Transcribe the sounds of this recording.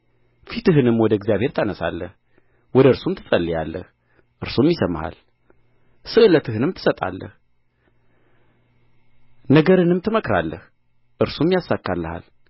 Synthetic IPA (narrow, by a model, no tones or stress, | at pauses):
fit̪ɨɦɨnɨmwɔd̪əɡzijaβhe̞ɾt̪ʰanəsa̰lːəh | wɔd̪əɨɾsumt̪ʰɨ̥sʼəlːijalːə̰h | ʔɨɾsumjɪsəmːaha̰l | sɨʔɨlət̪ʰɨhɨnɨmt̪ʰɨ̥sət̪ʼa̰lːə̰h | nəɡəɾɨnɨmt̪ʰɨməkɾa̰lːəh | ʔɨɾsumjasːakːalːəha̰l